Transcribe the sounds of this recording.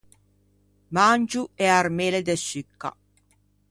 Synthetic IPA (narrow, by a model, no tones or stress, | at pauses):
mand͡ʒuɛaɾmeːled̪esykːa̰